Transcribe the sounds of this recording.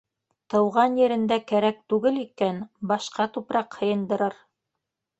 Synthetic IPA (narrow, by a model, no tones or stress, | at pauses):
t̪ɤ̆wʁɑnjɘ̆ɾɘ̆nd̪ækæɾæk̚t̪ʉɡɘlikænbɑʃqɑt̪upɾɑqhɤ̆jɤ̆nd̪ɤ̆ɾɤɾ